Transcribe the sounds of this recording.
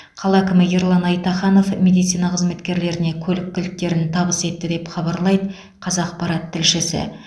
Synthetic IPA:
qʰɑlˠækʲɪmɪjeɾlˠɑnɑjt̪ɑχɑno̞fmʲe̞d̪ijt̪sijnɑqʰəzme̞t̪kʲe̞ɾle̞ɾɪne̞kʲʰɵlɪkʲʰːɪlk̚t̪ːe̞ɾɪnt̪ʰɑbəse̞t̪ːɪd̪e̞pχɑbɑɾlˠɑjd̪ə | qʰɑzɑqpɑɾɑt̪ʰːɪlʃɪsɪ̰

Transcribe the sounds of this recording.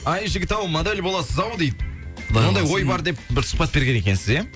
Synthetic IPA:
ɑjʒɪɡʲɪt̪ɑwmad̪alʲbo̞lˠɑsəzɑwd̪ejd̪ɪ | od̪ɑjwo̞jbɑɾd̪e̞p̚bɪɾsʊ̥χ̚pɑt̪̚be̞ɾɡʲene̞kʲe̞nsɪze

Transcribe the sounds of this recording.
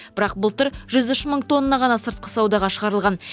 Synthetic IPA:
bɪɾɑq̚bʊlˠt̪əɾʒʏzʏʃməɴt̪ʰo̞nːɑʁɑnɑsəɾt̪̚qə̥sɑwd̪ɑʁɑʃəʁɑɾəlˠʁɑn

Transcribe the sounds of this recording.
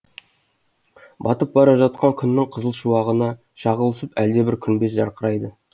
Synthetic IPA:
bɑt̪əp̚bɑɾɑʒɑt̪̚qɑŋkʲʰʏnːɪŋqʰəzəlˠʃuwɑʁənɑ | ʃɑʁəlˠəsəpæld̪e̞bɪɾkʲʰʏnbe̞sʒɑɾqəɾɑjd̪ə

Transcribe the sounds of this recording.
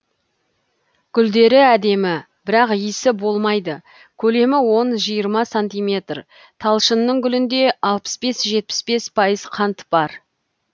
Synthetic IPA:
ɡʲʰʏld̪e̞ɾɪæd̪e̞mɪ | b̥ɪɾɑqijsɪbo̞lˠmɑjd̪ə | kʲʰɵle̞mɪwo̞nʒijəɾmɑsant̪ijmʲe̞t̪r | t̪ʰɑlˠʃənːəɴɡʲʏlɪnd̪e̞ɑlˠpə̥sbe̞sʒe̞t̪̚pɪ̥sbe̞spʰɑjəzqʰɑnt̪əpbɑɾ

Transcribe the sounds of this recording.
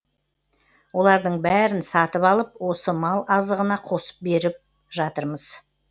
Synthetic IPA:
wo̞lˠɑɾd̪əɴbæɾɪnsɑt̪əpɑlˠəp̚wo̞səmɑlˠɑzəʁənɑqʰo̞sə̥p̚be̞ɾɪp̚ | ʒɑt̪əɾməz̥

